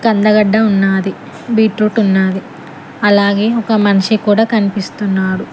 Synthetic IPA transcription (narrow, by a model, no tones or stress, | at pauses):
kɐnd̪ɐɡɐɖːɐunːaːd̪i | biːʈɾuːʈunːaːd̪i | ɐlaːɡe̞ːɔkɐmɐnɐʂikuːɽaːkɐnipist̪unːaːɽu